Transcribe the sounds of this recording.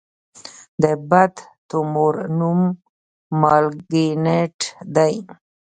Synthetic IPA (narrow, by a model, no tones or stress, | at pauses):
d̪əbad̪t̪umoɾnumː | ɑlɡineʈd̪aj